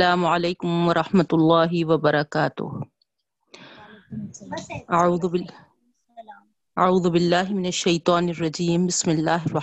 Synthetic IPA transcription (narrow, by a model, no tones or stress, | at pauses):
laːmʕalajkʊmwɑɾˤɑħmat̪lˤːɑːɦɪwabɑɾˤɑkaːt̪ʊ̰h | ʔaʕuːð | ʔaʕuːðʊbɪlːaːhmɪnaʃːajt̪ˤɑːnɪrˤːɑd͡ʒiːmbɪsmɪlːaːhɪrˤːɑ